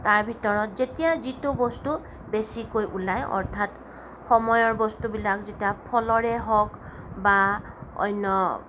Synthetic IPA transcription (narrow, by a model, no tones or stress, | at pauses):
taɹbʱitɔɹɔtzetijazitʊbɔstu | besikojʔulajɔ̰ɹtʰat | xɔmɔjɔɹbɔstubilakzetijapʰɔlɔɹɛɦɔk | ba | ɔ̰jnːɔ